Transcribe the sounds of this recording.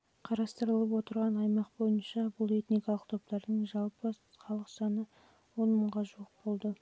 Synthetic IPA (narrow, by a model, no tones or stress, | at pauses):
qʰɑɾɑst̪əɾəlˠəp̬wo̞t̪əɾʁɑnɑjmɑqbo̞jənʃɑbʊlˠe̞t̪nijkɑlˠəq̚t̪ʰo̞p̚t̪ɑɾd̪əɴʒɑlˠpə | χɑlˠəqʒ̥ɑnə | wo̞nməɴʁɑʒuəq̚bo̞lˠd̪ə